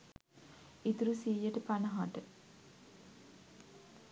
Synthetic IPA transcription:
it̪uɾusiːjəʈəpanɐɦaʈə

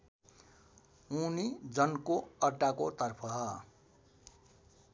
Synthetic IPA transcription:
unid͡zʌnkoʌʈakot̪ʌrpʰʌ

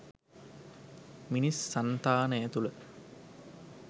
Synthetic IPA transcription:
minisːant̪aːnəjæt̪ulə

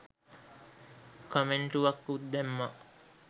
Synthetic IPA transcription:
komeɳʈuʋɐkːud̪d̪ɛmːɐʔ

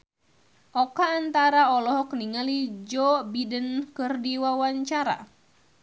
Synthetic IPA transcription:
ʔɔkaːnt̪aɾaɔlɔɦɔkniŋalid͡ʒɔbidənkɨrdiwawaɲt͡ʃaɾa̰

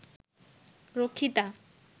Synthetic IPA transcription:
ɾokʰːit̪a

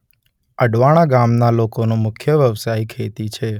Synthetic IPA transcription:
əɖʋaɽ̃aɡamnalokonũmʊkʰjəʋjəʋsaikʰet̪it͡ʃʰe

